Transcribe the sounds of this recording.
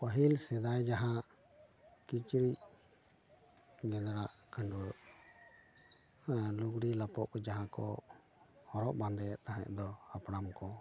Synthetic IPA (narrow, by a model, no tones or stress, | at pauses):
pəɦilsɛd̪ajd͡ʒaɦãʔ | kit͡ʃɾic̚ | ɡɛd̪ɾaʔkaɳɖu | luɡɽilapɔʔkɔd͡ʒaɦãkɔ̰ | hɔɾɔʔband̪ɛt̪aɦãʔ̚d̪ɔapɽamkɔ